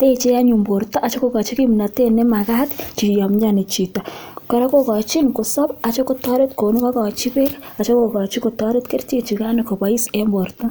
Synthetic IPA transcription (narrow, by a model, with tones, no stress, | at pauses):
te˦t͡ʃe˦a˦ɲu˨mbo˨ɾtɔ˦ʔa˨t͡ʃo˦ko˦ka˨t͡ʃi˦ki˦m˨na˨te˦ne˦ma˨ka˦tt͡ʃi˨jɔ˨mɲd͡ʒa˦ne˨t͡ʃi˨tɔ˨kɔ˨ɾa˦ko˦kɔ˨t͡ʃi˦nko˨sɔ˦pa˨t͡ʃo˦ko˦tɔ˦ɾe˦tko˨nu˦ka˦kɔ˨t͡ʃi˦pe˦ɾa˨t͡ʃo˦ko˨kɔ˨t͡ʃi˦ko˨tɔ˦ɾe˦tke˦rt͡ʃe˦t͡ʃi˨ka˦ni˨ko˨ba˨i˦se˦mbo˨rtɔ˦